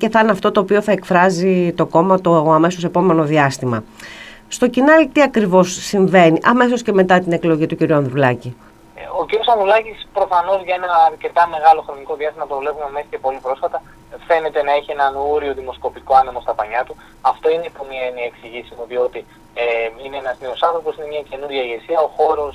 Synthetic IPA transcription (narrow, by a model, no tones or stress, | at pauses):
ce̞θɐnɐft̪o̞t̪o̞ːpio̞θɐe̞kfɾɐzit̪o̞ko̞mɐt̪ooɐme̞so̞se̞po̞me̞no̞ðiɐst̪imɐ̰ | st̪o̞cinɐlit̪iɐkɾivo̞sːiɱve̞niʔɐme̞s̬o̞sce̞me̞t̪ɐt̪ine̞klo̞ʝit̪uciɾuɐnðɾulɐci | ociɾijo̞sɐnðɾulɐcispɾo̞fɐno̞zʝɐe̞nɐːɾce̞t̪ɐme̞ɣɐlo̞xɾo̞niko̞ðiɐst̪imɐpɾovle̞pumemesɐ̥ce̞po̞lipɾo̞sfɐt̪ɐ | fe̞ne̞t̪e̞nɐeçie̞nɐnuɾio̞ðimo̞sko̞piko̞ɐnimo̞st̪ɐpɐɲɐt̪u | ɐft̪o̞ineipomiɐeniɐeksiʝisimuðio̞t̪i | ineenɐzneo̞sɐnθɾo̞po̞sine̞mɲɐce̞nuɾʝɐiʝe̞siɐo̞xo̞ɾo̞s